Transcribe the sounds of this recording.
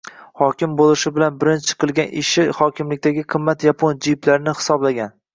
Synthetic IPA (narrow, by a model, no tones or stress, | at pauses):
hɒkʲɪmbolˠɪʃɪbɪlanbɪɾɪnt͡ʃʰɪ̥qʰɨlˠɡʲanʔɪʃɪhɒkʲʰɪmlɪk̚ʲt̪ʰaɡʲɪqʰɨmːat̪japʰond͡ʒiplaɾɪnɪhɪ̥sɒblaɡʲan